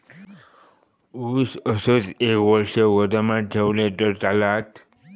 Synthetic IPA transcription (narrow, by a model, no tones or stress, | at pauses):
usəsət͡sekʋəɾʂəʋəd̪əmaʈ̚ʈʰeʋleʈ̪əɾtalat̪